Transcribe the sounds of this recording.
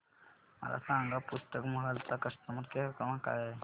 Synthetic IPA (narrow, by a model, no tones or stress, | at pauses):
mə̰la̰sãŋɡapust̪əkməɦəlt͡sakəst̪əmət̪kekəmãka̰ja